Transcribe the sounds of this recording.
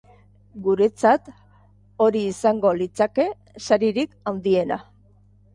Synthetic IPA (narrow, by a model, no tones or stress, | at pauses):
ɡuɾe̞t͡sat̪ | o̞ɾiːsaŋɡo̞lit͡sake̞ | saɾiɾikawnd̪ie̞na̰